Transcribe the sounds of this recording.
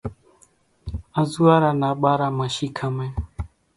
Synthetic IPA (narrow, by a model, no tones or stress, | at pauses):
azuwaɾanaɓaɾamaʃikʰamɛ